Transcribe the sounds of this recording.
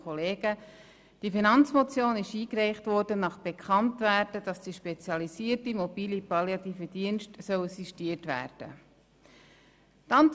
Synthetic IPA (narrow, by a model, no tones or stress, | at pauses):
ɔleːɡ̥ə | d̥ifinɑnt͡smot͡sjoːnɪʃiːkrɛɪχtʋɔrdənɑχb̥ekχɑntʋæːɾdəd̥ɑsd̥iʃpet͡sjɑlisiəɾtimɔbiːlipɑljɑt̪iːfəd̥iənʃtsœwsiʃtiːəɾtʋæ̰ːɾd̥ə | tɑnt